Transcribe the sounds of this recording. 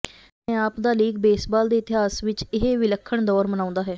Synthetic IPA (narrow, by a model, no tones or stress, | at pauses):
ẽaːpd̪aːliːɡbeːsbaːld̪eːɪt̪ɪɦaːsʋɪt͡ʃɪɦeʋɪləkʰːəɳd̪ɔːɾmənaːʊ̃nd̪aːɦɛː